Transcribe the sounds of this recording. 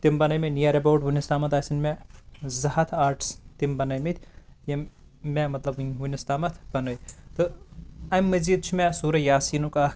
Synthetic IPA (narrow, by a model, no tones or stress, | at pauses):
t̪imbɐnɐjminijɐɾʲɐboːʈʋunist̪aːmɐt̪ɐːsinmezɐhɐt̪ʰaːɾʈst̪imbɐnɐjmit̪ʰʲjɐ | memɐt̪lɐbʋunist̪aːmɐt̪ʰbɐnojt̪ɨɐmʲːɐziːd̪̚t͡ʃʰimesuːɾɐjaːsiːnuka